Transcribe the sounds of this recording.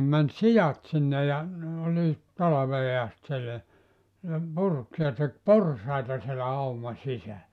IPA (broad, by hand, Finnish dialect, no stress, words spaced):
mæn sijɑt sinːe jɑ ne oliːt tɑlɑʋeː ɑst sielːæ ne purk jɑ tek porsɑitɑ sielæ ɑumɑ sisælːæ